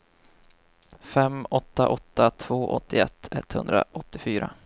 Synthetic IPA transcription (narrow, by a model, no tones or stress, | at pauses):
fɛmɔt̪ːaʔɔt̪ːat̪ʰv̥oːʔɔt̪ʰːɪɛt̪ʰːɛt̪ːhɵnd̪ɾa̰ʔɔt̪ːɪfyːɾa